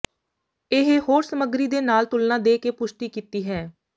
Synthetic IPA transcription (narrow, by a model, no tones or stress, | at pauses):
ɪɦehoːɾsəməɡɾiːd̪eːnaːlt̪ʊlnãːd̪eːkeːpʊʃʈ̪iːkiːt̪iːɦɛː